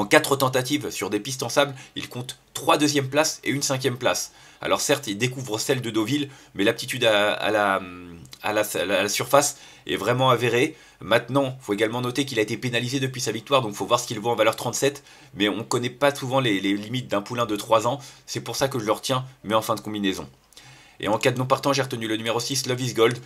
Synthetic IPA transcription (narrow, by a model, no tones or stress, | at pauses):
ɑ̃kat̪χət̪ɑ̃t̪at̪ivsyʁd̪epist̪ɑ̃sablilkɔ̃t̪ːχwad̪øzjɛmplasḛynsɛ̃k̬ʲjɛmplas | a̰lɔʁsɛʁt̪ild̪ekuvʁəsɛld̪əd̪ovilmɛlap̚t̪it̪yd̪aa̰lama̰laslasyʁfas | ɛ̰vʁɛmɑ̃aveʁe | mɛ̃t̪nɑ̃foeɡalmɑ̃nɔt̪ekilaet̪epenalized̪əpɥisavik̚t̪waʁd̪ɔ̃kfovwaʁsə̥kʲilvoɑ̃valœʁt̪χɑ̃t̪sɛt̪ | mɛɔ̃kɔnɛpasuvɑ̃lelelimit̪̚d̪ɛ̃pulɛ̃d̪ət̪χwazɑ̃sɛpuʁsakəʒələʁət̪jɛ̃mɛɑ̃fɛ̃d̪əkɔ̃binɛzɔ̰̃ | ḛɑ̃kad̪ənɔ̃paʁt̪ɑ̃ʒeʁət̪ənylənymeʁosisləvisɡɔld̪